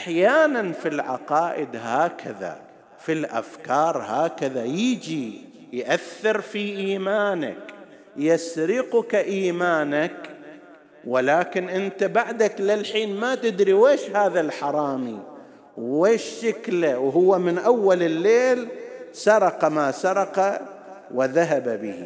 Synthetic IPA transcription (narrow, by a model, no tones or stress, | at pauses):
ʔaħjaːnanfilʕɑ̰qɑːʔɪd̪haːkʰaða̰ | filʔa̰fkɑːɾˤhaːkaðajiːd͡ʒi | jʔaθːɪɾfiʔiːmaːna̰k | jasɾɪqʊkaʔiːmaːnak | walaːkɪnʔɪnt̪abaʕd̪aklɪlħiːnmat̪ɪd̪ɾiweːʃhaːðalħɑɾˤɑːmi | wːeːʃːɪklawɦʊwːamɪnʔawːalɪlːeːlsɑɾˤɑqɑmaːsɑɾˤɑqawɪðaɦababɪhḭ